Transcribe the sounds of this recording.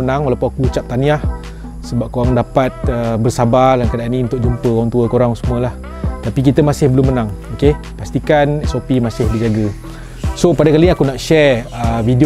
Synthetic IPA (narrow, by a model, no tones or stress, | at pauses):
ənãŋwalawpunakuut͡ʃap̚t̪anĩah | səbap̚koɾaŋdapat̪̚əbərsabalankadaʔaniunt̪ʊk̚d͡ʒumpəkoɾaŋt̪uəkoɾaŋsəmũəlah | t̪apik̬it̪əmasɪhbəlʊmːənãŋoke | past̪ikanɛsopimasɪhdəd͡ʒaɡə | sopadakaliakunaʔʃɛrəvidi